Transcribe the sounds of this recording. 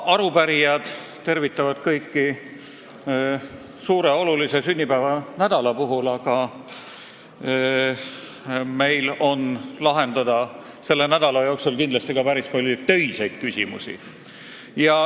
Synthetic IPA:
ɑɾupæɾijɑd̪̥ | t̪e̞rvit̪ːˑɑvɑd̪̥kɤjkːˑi | suːɾe̞o̞lulise̞synʲːipæːvɑnæd̪̥ɑlɑpuɦulɑɡ̥ɑ | me̞jlo̞nlɑɦe̞nd̪̥ɑd̪̥ɑ | se̞lːe̞næd̪̥ɑlɑjoːksulkind̪lɑst̪iɡ̥ɑpæɾispolʲːut̪ø̞jsejd̪̥̚kysʲimṵsḭ | jɑ

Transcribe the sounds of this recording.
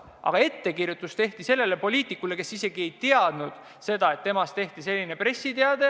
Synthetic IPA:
ʔɑ̰ɡ̥ɑe̞t̪ːe̞kirjut̪ːˑust̪e̞ht̪ise̞lːe̞le̞po̞lʲiːt̪ˑikːˑule̞ke̞sise̞ɡie̞jt̪eɑd̪̥nud̪̥ | se̞d̪ɑe̞t̪ːemɑst̪e̞ht̪ise̞lʲːine̞pre̞sːit̪eɑd̪e̞

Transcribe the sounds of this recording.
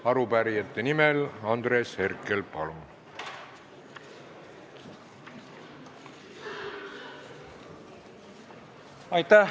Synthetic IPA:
ɑɾupæɾijɑt̪ːˑenimelɑnd̪ɾe̞ːshe̞rke̞lpɑlm | ɑjt̪æ

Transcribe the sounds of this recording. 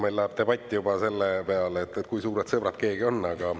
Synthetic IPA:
melːɑɦeb̚t̪e̞bɑt̪ʲːˑjubɑse̞lːepeɑleːt̪ːˑet̪kujsuːɾed̪sɤbɾɑt̪ke̞ːɡio̞nːɑɡ̥ɑ

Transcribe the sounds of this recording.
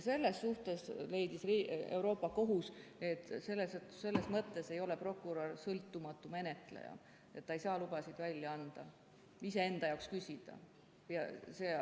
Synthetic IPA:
se̞lːe̞sːuht̪e̞sle̞jd̪isrie̞wɾo̞ːpːˑɑko̞ɦuse̞t̪ˑːse̞lːesse̞lːe̞smɤt̪ˑːe̞se̞jo̞le̞pro̞kːˑuɾorsɤlt̪ːˑumɑt̪ːˑume̞ne̞t̪ˑle̞̰jɑ̰ | e̞t̪ːɑejsɑːlub̥ɑsid̪̥vælʲjɑɑnd̪̥ɑ | ise̞e̞nd̪ɑjɑwkskysʲid̪̥ɑ̰ | jɑse̞

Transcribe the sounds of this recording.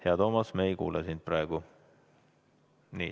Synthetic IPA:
heɑt̪o̞ːmɑsmeejkṵːlesind̪̥̚prɑeɡ̥u | nḭː

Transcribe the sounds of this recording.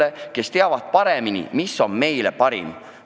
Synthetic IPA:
eke̞st̪e̞ɑvɑd̪̥̚pɑɾeminḭmisːo̞nme̞jle̞̰pɑɾḭm

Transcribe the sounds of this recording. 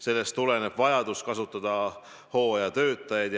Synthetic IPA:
se̞lːe̞st̪ːule̞ne̞b̥vɑjɑd̪̥uskɑsut̪ːˑɑd̪̥ɑ | ho̞ːjɑt̪ø̞ːt̪ˑːɑjɑd̪̥

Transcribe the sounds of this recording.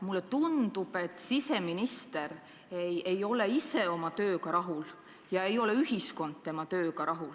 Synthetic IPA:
mulːet̪und̪̥ub̥e̞t̪ːˑsise̞minist̪e̞ɾ | ejʔejo̞le̞ise̞o̞mɑt̪ø̞ːkɑɾɑɦul | jɑe̞jo̞le̞yɦisko̞nd̪̥̚t̪e̞mɑt̪ø̞ːkɑɾɑɦul

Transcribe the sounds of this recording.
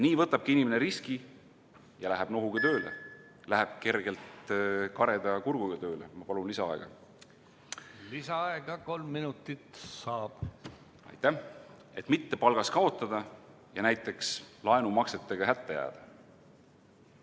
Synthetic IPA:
niːvɤt̪ːˑɑb̥̚kiinimeneɾiski | jɑlæɦeb̥no̞ɦuɡ̥ɑt̪ø̞ːlḛ | læɦeb̥̚ke̞rɡ̥e̞lt̪kɑɾe̞d̪̥ɑkuɾɡ̥uɡ̥ɑt̪ø̞ːlemɑpɑlunlisɑɑe̞ɡ̥ɑ̰ | lisɑɑeɡɑko̞lmːinut̪ːˑit̪sɑːb̥ | ɑ̰jt̪ːˑæh | e̞t̪ːˑmit̪ːe̞pɑlɡ̥ɑskɑo̞t̪ːˑɑd̪̥ɑ | jɑnæjt̪ːˑe̞kslɑe̞numɑkse̞t̪ˑːeɡ̥ɑɦæt̪ːejæ̰ːd̪̥ɑ̥

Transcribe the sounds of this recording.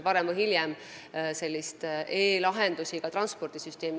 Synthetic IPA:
pɑɾemvɨhiljɛm | se̞lʲːist̪e̞ːlɑɦe̞nd̪̥usikɑt̪rɑnspo̞rd̪̥isyst̪e̞ːmi

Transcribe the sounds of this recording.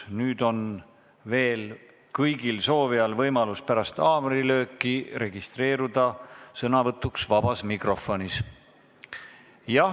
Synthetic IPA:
nyːd̪o̞n | ve̞ːl | kɤjɡ̥ilso̞ːveɑlvɤjmɑluspæɾɑst̪ɑːmɾilø̞ːkːˑire̞ɡ̥ist̪re̞ːɾud̪̥ɑsɤnɑvɤt̪ːˑuksvɑb̥ɑsmikro̞fːˑo̞nis | jɑ

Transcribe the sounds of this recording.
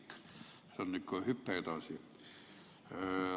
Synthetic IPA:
kː | sɑnonikkohypːeːt̪ɑsi

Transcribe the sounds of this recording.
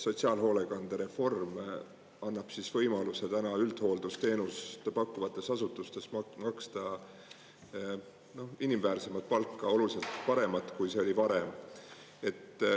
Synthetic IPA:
so̞tsiɑːlɦo̞ːle̞ɡ̥ɑnd̪̥eɾe̞fo̞rm | ɑnːɑb̥sisvɤ̞jmɑluse̞t̪ænɑyld̪̥ho̞ːld̪̥ust̪e̞ːnust̪pɑkːˑuvɑt̪ːˑe̞sɑsut̪ːˑust̪e̞smɑkst̪ɑ | no̞hinimvæːrse̞mɑt̪̚pɑlkːɑo̞lulise̞lt̪pɑɾe̞mɑt̪ˑkujse̞o̞lʲipɑɾem | e̞t̪ː

